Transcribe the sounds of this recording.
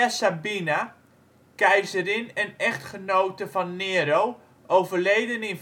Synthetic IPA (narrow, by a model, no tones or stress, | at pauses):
asabina | kɛjzərɪnɛnɛχtχənowtəvɔnːeːəɾow | ʔowvərlejdənɪn